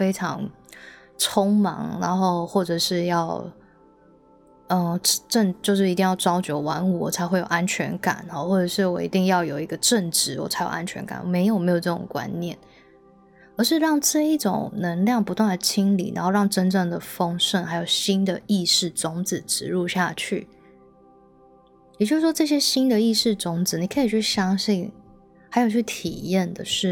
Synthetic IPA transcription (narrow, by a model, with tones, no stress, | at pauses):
fe˥ɪʈ͡ʂʰɑ̰˧˥ŋ | ʈ͡ʂʰʊ˥ŋmɑ̰˧˥ŋna˧˥˦nxo˥˧ʊxwɔ˥˩ʈ͡ʂɤ˨˩ʂɻ̩˥˧jɑ˥˩ʊ | ə˧˩˨ʈ͡ʂə˥˧ŋt͡ɕjo˥˧ʊʂ̬ɻ̩˥˩i˧t̪i˥˧ŋjɑ˥˩ʊʈ͡ʂɑ˥ʊt͡ɕjo˧˥ʊwa˧˥nu˥˨˩t͡sʰa˧˥ɪxwe˥˩ɪjo˨˩ʊʔa˦˥nt͡ɕʰɥɛ̰˧˥nka̰˨˩˦nxɔ˩˦xwɔ˥˩ʈ͡ʂɤ˨˩ʂɻ̩˥˩wɔ˨˩ḭ˧˥t̪i˥˧ŋjɑ˥˩ʊjo˨˩ʊi˧˥ɡə˧ʈ͡ʂə˥˨ŋʈ͡ʂɻ̩˥˩wɔ̰˨˩t͡sʰa˧˥ɪjo˨˩a̰˦˥nt͡ɕʰɥɛ̰˧˥nka̰˨˩˦nwɔ̰˨˩me˧˥ɪjo˨˩ʊme˧˥jo˨˩ʈ͡ʂɤ˥˩ʈ͡ʂʊ̰˨˩ŋkwa̰˦˥nnjɛ̰˥˩n | ə˧˥ʂɻ̩˥˧ɻɑ˥˧ŋʈ͡ʂɤ˥˧i˥˩ʈ͡ʂʊ̰˨˩ŋnə˧˥ŋljɑ˥˩ŋpu˧˥t̪wa˥˩nd̪ə˩t͡ɕʰi˥ŋlḭ˨˩na˧˥nxo˥˧ɻɑ˥˩ŋʈ͡ʂə˥nʈ͡ʂɤ˥˩ŋd̪ə˩fɤ˥ŋʂə˥˩nxa˧˥ɪjo˨˩ʊɕi˥nd̪ə˨i˥˧ʂɻ̩˥˩t͡sʊ˥ŋd͡z̩˨˩ʈ͡ʂɻ̩˧˥ɻu˥˧ɕja˥˧t͡ɕʰy̰˥˩ | jt͡ɕjo˥˧ʂ̩˥˩ʂwɔ˥ʈ͡ʂɤ˥˩ɕ̬jɛ˥ɕi˥nd̪ə˨i˥˧ʂɻ̩˥˩t͡sʊ˥ŋd͡zɹ̩˨˩ni˨˩kʰɤ˧˥i˨˩t͡ɕʰy˥˩ɕjɑ˥ŋɕi˥˩n | ha˧ɪjo˨˩t͡ɕʰy˥˩t̪ʰḭ˨˩jɛ˥˩nd̪ə̰˩ʂɻ̩˥˩